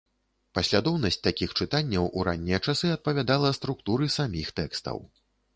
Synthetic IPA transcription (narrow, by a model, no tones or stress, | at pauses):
pɐsʲlʲad̪ɔwnɐsʲt͡sʲt̪akʲixt͡ʂɨt̪anʲːɐwʔuɾʔa̰nʲːijɐt͡ʂasɨɐt̪̚pɐvʲad̪alˠɐst̪ɾukt̪uɾɨsamʲixt̪ɛkst̪ɐ̰w